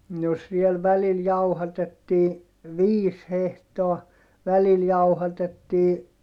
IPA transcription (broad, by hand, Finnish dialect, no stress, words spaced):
no siel ʋælil jɑuhɑtetːiː ʋiːs hehtoɑ ʋælil jɑuhɑtetːiː